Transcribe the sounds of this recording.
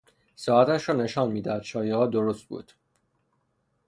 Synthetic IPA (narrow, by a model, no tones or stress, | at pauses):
sɒːæt̪æʃɾɒːne̞ʃɒːnmiːd̪ææd̪ʃɒːjehɒːd̪oɾost̪̚bṵːd̪̥